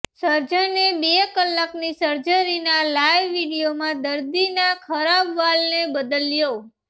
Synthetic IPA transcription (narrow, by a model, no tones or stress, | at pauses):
səɾd͡ʒənebekəlːaknisəɾd͡ʒəɾinalajʋːiɽijomãd̪əɾd̪inakʰəɾabʋalnebəd̪əljo